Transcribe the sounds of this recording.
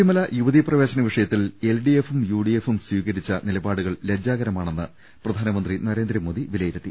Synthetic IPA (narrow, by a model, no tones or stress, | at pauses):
imɐlɐjuʋɐðiprɐʋe̞ːɕɐnɐʋiʂɐjɐt̪ːile̞lɖie̞fumjuːɽijefumswiːɣɐɾit͡ɕːɐnilɐbaːɽuɣɐɭled͡ʑaːɣɐɾɐmaːɳenːɨ | prɐd̪ʱaːnɐmɐnd̪rinɐɾe̞ːnd̪ɾɐmo̞ːd̪iʋilɐjiɾɐt̪ːi